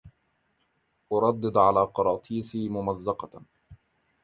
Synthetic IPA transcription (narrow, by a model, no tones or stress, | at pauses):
ʔʊɾˤɑd̪ːɨd̪ʕalaːqɑɾˤɑːt̪ʰˤiːsˤiːmʊmazːɑqɑ